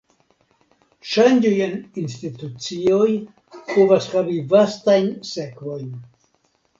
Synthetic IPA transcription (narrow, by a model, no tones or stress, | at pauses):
ʃand͡ʒojeninstitut͡sioj | povashavivastajnse̞kvo̞jn